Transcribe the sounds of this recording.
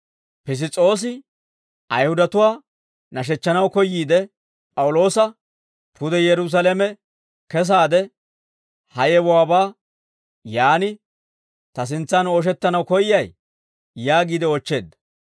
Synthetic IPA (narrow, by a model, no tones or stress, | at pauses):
pɪs̬ɪt͡sʼo̞ːs̬ɪ | ʔɐjhʊd̪ɐt̪ʊwaː | nɐʃ̬ɛt͡ʃːɐnɐwkɔjːiːd̪ɛ | pʼɐwʊlo̞ːsɐ | pʰʊd̪ɛjɛɾʊs̬ɐlɛmɛ | kɛs̬aːd̪ɛ | hɐjɛwɔwaːbaː | jaːnɪ | t̪ɐs̬ɪnt͡sːɐnoːʃ̬ɛt̪ːɐnɐwkɔjjɐj | jaːɡiːd̪ɛɔt͡ʃːe̞ːd̪ːɐ̥